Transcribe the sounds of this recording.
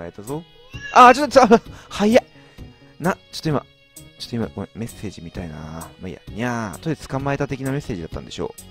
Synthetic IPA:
aet̪azo̞ | ʔat͡ɕo̞t̪ːt͡saahaja | nat͡ɕo̥t̪ːoima̰ | t͡ɕo̥t̪ːoima̰kome̞sːe̞ːʑimʲit̪aina̰maḭa̰ɲʲiat̪oid̪et͡sɨ̥kamae̞t̪at̪e̞kʲiname̞sːe̞ːʑid̪at̪ːã̰nd̪e̞ɕo̞̰ː

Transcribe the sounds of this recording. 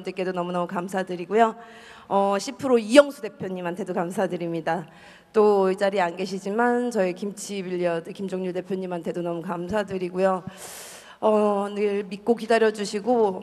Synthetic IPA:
ndɯk͈e̞donʌmunʌmukamsʰadɯɾiɡujo | ʌɕʰipʰɯɾoijʌŋsʰude̞pʰjoɲimɦantʰe̞dokamsʰadɯɾimɲida | t͈oid͡ʑaɾianɡe̞ɕʰid͡ʑimant͡ɕʌikimt͡ɕʰibiʎːiʌdɯkimd͡ʑoŋɲuɭde̞pʰjoɲimɦantʰe̞donʌmukamsʰadɯɾiɡojo | ʌneɭmik͈okidaɾjʌd͡ʑuɕʰiɡo

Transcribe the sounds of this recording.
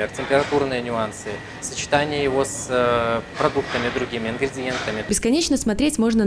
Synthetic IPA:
ɪrtʲɪmʲpʲɪɾɐt̪urnɨjənʲʊansɨ | sət͡ɕɪ̥t̪anʲɪjəjɪvo̞s | pɾɐd̪ukt̪əmʲɪd̪ɾʊɡʲimʲɪɪnɡɾʲɪdʲɪje̞nt̪əmʲɪbʲɪskɐnʲet͡ɕnəsmɐt̪ɾʲetʲmo̞ʐnə

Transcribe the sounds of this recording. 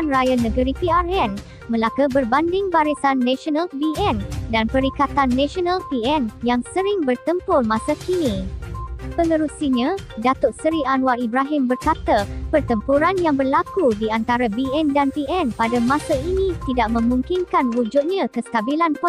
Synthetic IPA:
nrajanə̃ɡəɾipiarɛn | mə̃lakəbərbandɪŋbaɾisanːãʃɔnalbiɛndanpəɾikat̪anːãʃonalpiɛnjaŋsəɾɪŋbərt̪əmpʊrmãsakinĩ | pəŋəɾusiɲãdat̪ʊt̪̚səɾianwaibɾaɦɪmbərkat̪apərt̪əmpuɾanjaŋbərlakudiant̪aɾabiɛndanpiɛnpadamãsainĩt̪idaʔ̚mə̃mũŋkinkanwud͡ʒut̪̚ɲãkəst̪abilanpɔ

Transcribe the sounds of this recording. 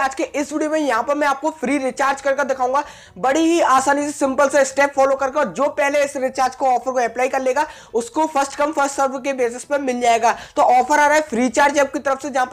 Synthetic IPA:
aːd͡ʒkeʔɪsʋɪɖijomẽjɐɦãːpɐɾmɛ̃aːp̚kofʰɾiːɾɪt͡ʃaːɾd͡ʒkɐɾked̪ɪkʰaːũːŋɡaː | bɐɽiɦiaːsaːnisesɪ̃mpəlsesʈɛːpfɔːloːkɐɾkeɔːɾd͡ʒoːpɛɦleɪsɾɪt͡ʃaːɾd͡ʒkoɔːfəɾkoɛplaːikɐɾleːɡaː | ʊskofʰəɾsʈkɐ̃mfʰəɾsʈsəɾbkebeːs̬ɪspẽmɪld͡ʒaːeːɡaːt̪oːɔːfʰəɾaːɾaːɦɛfʰɾiːt͡ʃaːɾd͡ʒɛːp̚kit̪ɐɾəfsed͡ʒɐɦãːp

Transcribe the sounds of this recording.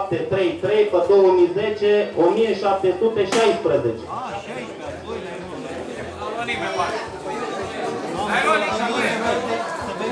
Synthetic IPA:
p̚t̪e̞t̪ɾe̞jt̪ɾe̞jpəd̪o̞wəmize̞t͡ʃe̞omijeʃap̚t̪e̞sut̪e̞ʃajspɾəze̞t͡ʃe

